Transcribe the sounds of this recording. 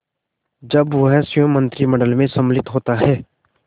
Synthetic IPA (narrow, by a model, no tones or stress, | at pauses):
d͡ʒɐbʋɐɦsjõmə̃nt̪ɾimɐɖəlmẽsɐmlɪt̪ɦoːt̪aɦɛː